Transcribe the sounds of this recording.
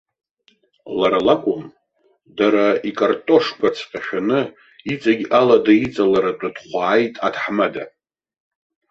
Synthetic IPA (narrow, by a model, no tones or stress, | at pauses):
laɾalakʷʼʊm | daɾaikʼartʼo̞ʂkʷat͡sʰqʲʼaʃᶣanɨ | it͡sʼaɡʲʔaladait͡sʼalaɾatʷʼadχʷaːjtʼadħmada